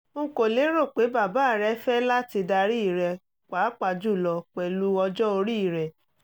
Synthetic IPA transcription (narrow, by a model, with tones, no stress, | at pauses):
ŋ̩˦ko˨le˨˦ɾo˦˨k͡pe˨˦ba˦˨ba˨˦˨ɾɛ˦fɛ˦la˦ti˧da˧ɾi˦i˦˨ɾɛ˨ | k͡pa˨˦k͡pa˧˨d͡ʒu˦˨lɔ˧k͡pɛ˨lu˧˦ɔ˧d͡ʒɔ˦o˧ɾi˦i˨ɾɛ˨